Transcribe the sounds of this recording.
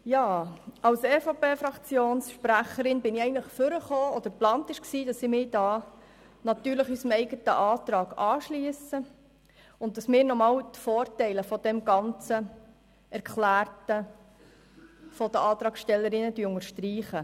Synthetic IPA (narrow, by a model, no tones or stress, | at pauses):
jɑːɑwsɛfopeːfɾɑkt͡sjoːnsʃpɾæχəɾɪnbɪnɪɛɪənləχføɾəχoːɔd̥̪əɾplɑːnt̪ɪʃksiːdɑsɪmɪːd̥ɑː | nɑtyːɾləχysəmɛɪɡətə̰ʔɑːt̪ɾɑːɡɑːʃliəsə | ʊnt̚d̥ɑsmɪːɾnɔmɑːwt̪foːɾtɛɪləfɔd̥̪ɛmɡɑnt͡sə | ʔɛɾkʰlæːrtə | fɔd̥̪əɑːt̪ɾɑːɡʃtɛlːəɾɪnːədyʊŋəɾʃtriːχə